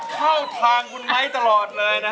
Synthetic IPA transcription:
kʰa˥˩wt̪ʰlaː˧ŋkʰu˧nma˦˥˩jt̪a˧lɔː˨˩t̪̚lɤː˧jna˦˥

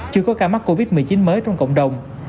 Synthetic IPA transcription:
t͡ɕɨ˧əkɔ˨˦kaː˧˩ma˦˥t̚kːo˧vi˦˥t̚mɨ˨˩ət͡ɕi˨˦nməː˨˦jt͡ɕɔ˧wŋ͡mkə̰˧˨wŋ͡mɗə˨˩wŋ͡m

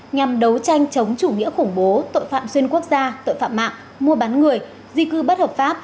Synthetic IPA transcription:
ɲa˨˩mɗə˨˦wt͡ɕa˧jŋ̟t͡ɕə˨˦wŋ͡mt͡ɕu˧˩ŋḭ˧˥əxʊ˧˩ŋ͡mɓo˨˦t̪o̰˧˨jfa̰ː˧˨mswi˧ənku˦˥ək̚zaː˧t̪o̰˧˨jfa̰ː˧˨ma̰ː˧˨ŋ | mu˧əɓaː˨˦nŋɨ˨˩əj | zi˧kɨ˧ɓə˦˥t̚həː˨˩p̚faː˦˥p̚

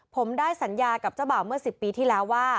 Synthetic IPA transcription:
pʰo˩˦mdaː˥˩jsa˩˦njaː˧ka˨˩p̚t͡ɕa˥˩wba˨˩wmɯ˥˩ɐsi˨˩pːiː˧t̪ʰiː˥˩lɛː˦˥wːaː˥˩

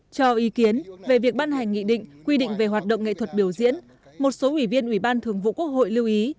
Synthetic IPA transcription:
t͡ɕɔ˧ʔi˨˦ki˨˦ənve˨˩vi˨˩ək̚ɓaː˧nɦa˨˩jŋ̟ːḭ˧˨ɗḭ̈˧˨ŋ̟kwi˧ɗḭ̈˧˨ŋ̟ve˨˩ɦwaː˨˩t̚ɗə̰˧˨ŋ͡mŋḛ˧˨t̪ʰwə˨˩t̚ɓi˧˩əwzḭ˧˥ən | mo˨˩t̚so˨˦ʔwi˧˩vi˧ənʔi˧˩ɓaː˧nt̪ʰɨ˨˩əŋvṵ˧˨ku˦˥ək̚ho̰˧˨jli˧wʔi˨˦

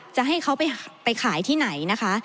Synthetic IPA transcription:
t͡ɕa˨˩ɦa˥˩jkʰa˦˥wpa˧jpa˧jkʰaː˩˦jt̪ʰiː˥˩na˩˦jna˦˥kʰa˦˥

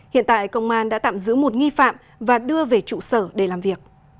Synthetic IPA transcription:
hḭ˧˨ənt̪a̰ː˧˨jkə˧wŋ͡mʔaː˧nɗa̰ː˧˥t̪a̰ː˧˨mzɨ̰˧˥mo˨˩t̚ŋi˧fa̰ː˧˨m | vaː˨˩ɗɨ˧əve˨˩t͡ɕṵ˧˨səː˧˩ɗe˧˩laː˨˩mvi˨˩ək̚

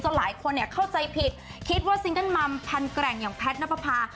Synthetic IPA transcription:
t͡ɕa˧˩la̰ː˩˦jkʰo˧nːi˥˩ɐkʰa˥˩wt͡ɕa˧jpʰi˨˩t̪̚ | kʰi˦˥t̪̚waː˥˩si˧˥ŋka˥˩nma˧mpʰa˧nkɾɛː˨˩ŋjaː˨˩ŋpʰɛː˦˥t̪̚na˦˥pːa˧pʰaː˧

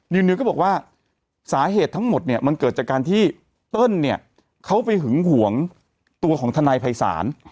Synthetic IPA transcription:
jɯ˧nːɯ˧kɔː˥˩bɔː˨˩k̚waː˥˩ | saː˩˦ɦeː˨˩t̪ʰːa˦˥ŋmo˨˩t̪̚ni˥˩ɐma˧nkɤː˨˩t̪̚t͡ɕaː˨˩kaː˧nt̪ʰiː˥˩ | t̪ɤ˥˩nːi˥˩ɐ | kʰa˦˥wpa˧jɦɯ˩˦ŋhu˩˦əŋ | t̪u˧ɐkʰɔː˩˦ŋt̪ʰa˧naː˧jpʰa˧jsa̰ː˩˦n

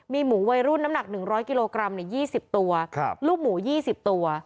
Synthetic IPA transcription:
miː˧muː˩˦wa˧jɾu˥˩nːa˦˥mna˨˩k̚nɯ˨˩ŋɾɔː˦˥jki˧loː˧kɾa˧mnɯ˨˩˦jiː˥˩si˨˩p̚t̪u˧ɐk̚ʰluː˥˩k̚muː˩˦jiː˥˩si˨˩p̚t̪u˧ɐ

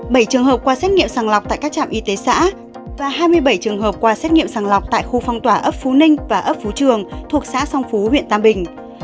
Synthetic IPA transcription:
ɓə˧˩jt͡ɕɨ˨˩əŋɦəː˨˩p̚kwaː˧sɛ˦˥t̚ŋḭ˧˨əmsaː˨˩ŋla˨˩k͡p̚t̪a̰ː˧˨jkaː˦˥k̚t͡ɕa̰ː˧˨mʔi˧t̪e˨˦sa̰ː˧˥ | vaː˨˩ɦaː˧jmɨ˧əjɓə˧˩jt͡ɕɨ˨˩əŋɦəː˨˩p̚kwaː˧sɛ˦˥t̚ŋḭ˧əmsaː˨˩ŋla˨˩wk͡p̚t̪a̰ː˧˨jxu˧fɔ˧wŋ͡mt̪waː˧˩ʔə˦˥p̚fu˨˦nï˧ŋvaː˨˩ʔə˦˥p̚fu˨˦t͡ɕɨ˨˩əŋt̪ʰu˨˩ək̚sa̰ː˧˥sɔ˧wŋ͡mfu˨˦hwḭ˧ənt̪aː˧mɓï˨˩ŋ̟

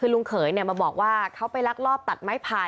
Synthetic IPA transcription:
kʰɯː˧lu˧ŋkʰɤː˩˦jni˥˩ma˧bɔː˨˩k̚waː˥˩kʰa˦˥wpa˧jla˦˥k̚lɔː˥˩p̚t̪a˨˩t̪̚ma˦˥˩jpʰaː˧

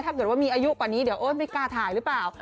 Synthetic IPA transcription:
t̪ʰaː˥˩kɤː˨˩t̪̚waː˥˩miː˧ʔaː˧ju˦˥ʔkwa˨˩niː˦˥di˩˦wʔoː˥˩npa˧jkaː˧t̪ʰaː˨˩˦jɾɯ˦˥plaː˨˩w

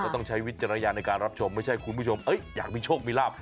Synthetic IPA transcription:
ɔ˥˩t̪ɔ˥˩ŋt͡ɕʰa˦˥jwi˦˥t̪̚t͡ɕa˧ɾa˧na˧jaː˧na˧jkaː˧nɾa˦˥p̚t͡ɕʰo˧mːa˥˩jt͡ɕʰa˥˩jkʰu˧npʰuː˥˩o˧mʔɤ˦˥jja̰ː˨˩k̚miː˧˩t͡ɕʰoː˥˩k̚miː˧laː˥˩p̚

